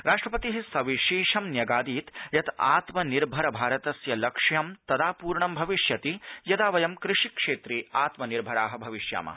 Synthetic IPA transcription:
ɾaːʂʈɾɐpɐt̪iɦisɐʋiʃiːʂɐmnjɐɡaːd̪iːt̪jɐt̪aːt̪mɐniɾbʱɐɾɐbʱaːɾɐt̪ɐsjɐlɐkʂjɐmt̪ɐd̪aːpuːɾɳɐmbʱɐʋiʂjɐt̪ijɐd̪aːʋɐjɐmkɾɪʂikʂeːt̪ɾiaːt̪mɐniɾbʱɐɾaːɦɐ̆bʱɐʋiʃja̰ːmɐ̰

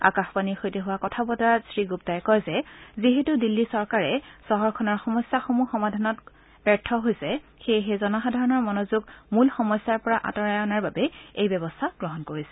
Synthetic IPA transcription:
a̰kaxpaniɹxojtɛɦʊwakɔtʰabɔtaɹasɹiɡup̚tajkɔjzɛziɦetudilːisɔɹkaɹɛsɔɦɔɹkʰɔnɔɹxɔmɔjsːaxomuxɔmadʱanɔt | b̥ɛɹtʰɔɦojsɛxejɦezɔnɔxadʱaɹɔnɔɹmɔnozuɡmulxɔmɔjsaɹpɔɹaʔa̰tɔɹajɔnaɹbabɛejbɛbɔstʰaɡ̥ɹɔɦɔnkoɹisɛ̥

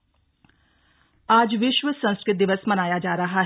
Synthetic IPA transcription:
aːd͡ʒʋɪʃʋəsɐ̃ñskɾɪt̪̚d̪ɪʋəsmɐnaːjad͡ʒaːɾɐɦaɦ

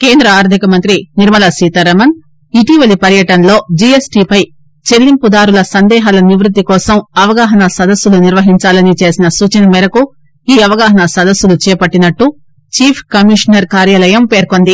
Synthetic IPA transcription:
keːnd̪ɾɐaːɾd̪ʱikɐmɐnt̪ɾiniɾmɐlasiːt̪ɐɾɐmɐn | iʈiʋɐlipɐɾjɐʈɐnlo̞ːd͡ʒiesʈiːpɐj | t͡ʃe̞lːimpud̪aːɾulɐsɐnd̪ɛːɦaːlɐniʋɾut̪ːikɔːsɐmɐʋɐɡaːɦɐnɐsɐd̪ɐsːuluniɾʋɐɦiɲt͡ʃaːlɐnit͡ʃe̞ːsinɐsuːt͡ʃɐnɐmɛɾɐku | iːɐʋɐɡaːɦɐnɐsɐd̪ɐsːulut͡ʃɛːpɐʈːinɐʈːu | t͡ʃiːpʰkɐmiʂɐnɐɾkaːɾjaːlɐjɐmpe̞ːɾkond̪i

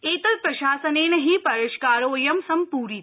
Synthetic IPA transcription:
eːt̪ɐlpɾɐʃaːsɐneːnɐɦipɐɾeʃkaːɾoːjɐmsɐmpuːɾit̪

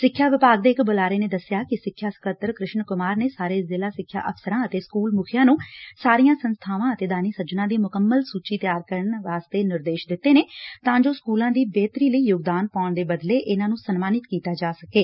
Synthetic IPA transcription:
sɪkʰːjaːʋɪpaːɡ̚d̪eːɪkbolaːɾeːneːd̪əsːjaːkɪsɪkʰːjaːsə̥kət̪əɾkɾɪʃɳkʊmaːɾneːsaːɾeːzɪlaːsɪkʰːja̰ːʔəfsəɾãːət̪eːskuːlmʊkʰjãːnũːsaːɾijãːsənst̪ʰaːʋãːət̪eːd̪aːniːsəd͡ʒnãːd̪iːmʊkəmːəlsuːt͡ʃiːt̪jaːɾkəɾəɳʋaːst̪eːnɪɾd̪eːʃd̪ɪt̪ːeːneːt̪ãːd͡ʒoːskuːlãːd̪iːbeːt̪ɾiːləiːjʊɡd̪aːnpaːʊɳd̪eːbəd̪leːʔɪnãːnũːsənmaːnɪt̪kiːt̪aːd͡ʒaːsəkeː

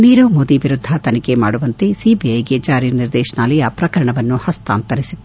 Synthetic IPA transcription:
niːɾoːmoːd̪iʋiɾud̪ʱːɐt̪ɐnikema̰ːɽuʋɐnt̪esiːbiɐjɡet͡ʃaːɾiniɾd̪ɛːʂɐnaːlɐjaːpɾɐkɐɾɐɳɐʋɐnːuhɐst̪a̰ːnt̪ɐɾisi

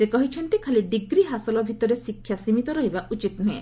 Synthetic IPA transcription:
sekɔɦit͡ʃʰɔnt̪ikʰaliɖiɡɾiɦasɔlɔbʱit̪ɔɾesikʰːjasimit̪ɔɾɔɦibaʔut͡ʃit̪nue

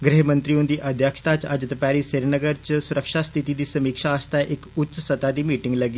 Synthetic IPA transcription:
ɡɾeɦmə̃nt̪ɾijũnd̪iːʔəd̪ʱjəkʃt̪at͡ʃɐ̰d͡ʒt̪paːɾiːseɾnəɡəɾt͡ʃsʊɾəkʃast̪ʰit̪id̪iːsɐmiːkʃaːst̪aʔɪkʊtːt͡ʃsət̪ad̪iːmiːʈɪ̃ŋɡləɡiː

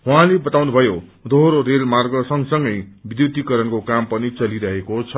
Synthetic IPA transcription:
ɦuɦãlebʌt̪awnubʱʌjod̪ʱoɦɾoɾelmarɡʌsʌŋsʌŋɡʌjbid̪jut̪ikʌɾʌnkokampʌnit͡sʌliɾʌɦekot͡sʰʌ

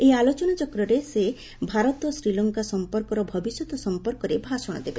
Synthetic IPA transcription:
ealot͡ʃɔnat͡ʃɔkɾɔɾese | bʱaɾɔt̪ɔsɾilɔŋkasɔmpɔɾkɔɾɔbʱɔbisjɔt̪ɔsɔmpɔɾkɔɾebʱasɔɽ̃ɔ̰d̪ebe

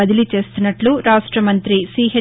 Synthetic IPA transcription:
ɐd̪ilit͡ʃe̞ːst̪unːɐʈluɾaːʂʈɾɐmɐnt̪ɾisiːɦe

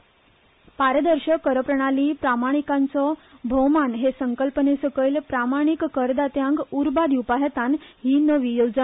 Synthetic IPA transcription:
paɾəd̪əɾɕəkəɾəpɾəɽ̃aliːpɾamaɽ̃ikãnt͡sɔbʱowmanɦesəŋkəlpənesəkəilpɾamaɽ̃ikːəɾd̪at̪jãŋkuɾbad̪iupaɦət̪anɦiːnəʋiːjod͡z

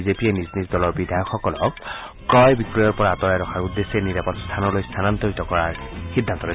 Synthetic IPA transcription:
izepieniznisdɔlɔɹbidʱajɔkxɔkɔlɔk | kɹɔjbikɹɔjɔɹpɔɹaːtɔɹajɾɔxʰaɹud̪ːesɛniɹapɔtst̪ʰanɔlojst̪ʰanantoɹitɔkɔɹaɹxidʱːant̪ɔɹɛ

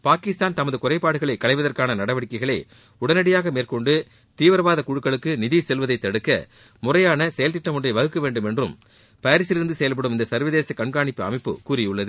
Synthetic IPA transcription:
paːkɪst̪aːnt̪ɐmɐðɯkʊrɐɪpːaːɽɯɣɐɭɐɪkɐɭɐɪʋɐðɐrkaːnɐnɐɽɐʋɐɽɪkːɐɪɣɐɭɐɪ | ʊɽɐnɐɽɪjaːɣɐmeːrkɔɳɖɯ | t̪iːʋɐɾɐʋaːðɐkʊɻɯkːɐɭɯkːɯnɪðisɛlʋɐðɐɪt̪ːɐɽɯkːɐ̰ | mʊrɐjaːnɐsɛjɐlt̪ɪʈːɐmɯndrɐɪʋɐɣɯkːɐʋeːɳɖɯmɛndrɯ̰m | pɐjɐɾɪsɪɾɯnd̪ɯsɛjɐlp̬ɐɽɯmɪnd̪ɐsɐɾʋɐðeːsɐkɐɳɡaːɳɪpːɯɐ̰mɐɪpːɯ̰kuːrɪjʊɭːɐðɯ

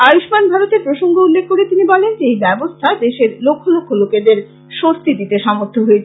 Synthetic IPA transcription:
ajuʃmanbʱaɾot̪epɾoʃoŋɡoulːekʰːkoɾet̪inibɔlend͡ʑejbɛbost̪ʰad̪eʃeɾlokʰːolokʰːoloked̪eɾ | ʃost̪ʰid̪it̪eʃɔmoɾt̪ʰoɦoet͡ɕʰ

